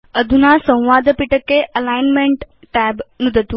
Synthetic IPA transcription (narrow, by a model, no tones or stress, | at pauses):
əd̪ʱunasə̃w̃ʋaːd̪ʱəpiʈəkːeʔɐlajnmeɳʈ | ʈɛːbnud̪ʱət̪u